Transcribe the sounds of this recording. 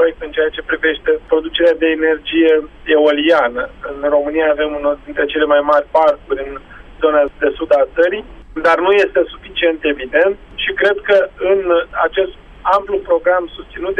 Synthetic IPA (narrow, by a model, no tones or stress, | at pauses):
pɾojek̚t̪ɨnt͡ʃeat͡ʃe̞pɾive̞ʃt̪e̞pɾo̞d̪ut͡ʃe̞ɾead̪e̞ːne̞rd͡ʒije̞eolianəɨnro̞mɨnijaːve̞munord̪int̪ɾe̞t͡ʃe̞le̞majmarʲparkuɾʲɨn | zo̞nad̪e̞sud̪at̪səɾijd̪arnuje̞st̪e̞su̥fit͡ʃie̞nt̪e̞vid̪e̞nt̪ʃikɾe̞d̪kəɨnat͡ʃe̞st̪ | amplupɾo̞ɡɾamsust̪sinut̪